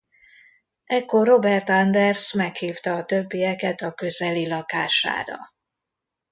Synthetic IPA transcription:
ɛkːo̞rːo̞bɛrt̪ɒnd̪ɛrsmɛkhiːft̪ɒːt̪ø̞bːijɛkɛt̪ɒkø̞zɛlilɒkaːʃa̰ːɾɒ̰

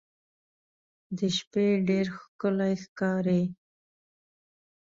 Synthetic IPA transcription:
d̪əʃpeɖeɾxkəlajxkɑɾe

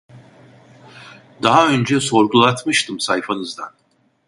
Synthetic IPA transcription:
d̪aɦaønd͡ʒɛso̞ɾɡulˠat̪ʰmɯʃt̪ʰɯmsajfanɯzd̪an

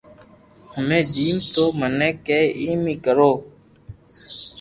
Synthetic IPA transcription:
həmẽːd͡ʒiːmt̪oːmənẽːkeːiːmĩːkəɾoː

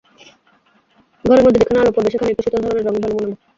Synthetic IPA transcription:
ɡʱɔɾeɾmod̪ʱːed̪ikʰanalopoɾb̪eʃekʰanekuʃit̪ond̪ʱɔɾoneɾːɔŋbʱanomonolo

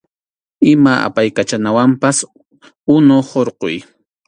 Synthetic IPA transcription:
ɪmaʔa̰pajkat͡ʃanawampas | ʊnohoɾqoj

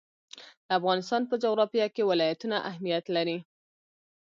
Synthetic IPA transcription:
d̪̥əafɣɑnɪst̪ɑnpəd͡ʒoɣɾɑfijɑkewɪlɑjat̪unaʔaɦmijat̪laɾi

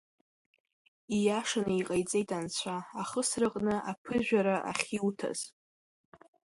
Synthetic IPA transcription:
ijaʂanɨiqʼajt͡sʼejtʼant͡ɕʷʰaaχəsrɨqʼnɨʔapʰɨʒᶣaɾaʔa̰χʲiwtʰa̰z̥

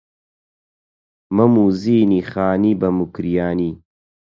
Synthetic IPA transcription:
mɐmuːziːniːxaːniːbɐmukɾijaːniː

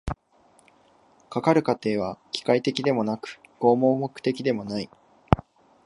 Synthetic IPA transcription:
kakaɾɯ̟kat̪e̞ːβ̞akʲi̥kait̪e̞kʲid̪e̞mo̞nakɯ̟̥ɡ̥o̞ːmo̞ːmo̞kɯ̟̥t̪e̞kʲid̪e̞mo̞nai

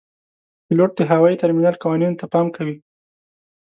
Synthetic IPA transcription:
pɪloʈ̚d̪əɦawɑit̪aɾminalkawɑnunt̪apɑmkawi

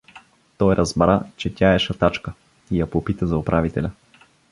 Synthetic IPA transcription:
t̪ɔjɾʔɐzbɾa̰t͡ʃɛt̪ʲaɛʃɐt̪at͡ʃkə | ijɐpopit̪əzɐʊpɾʔavit̪ɛlʲɐ

